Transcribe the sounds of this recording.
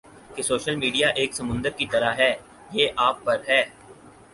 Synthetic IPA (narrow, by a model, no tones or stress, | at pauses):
kesoːʃəlmiːɖijaʔeːksɐmʊ̃nd̪əɾkit̪ɐɾaɦɛː | jeːʔaːpːɐɾɦɛː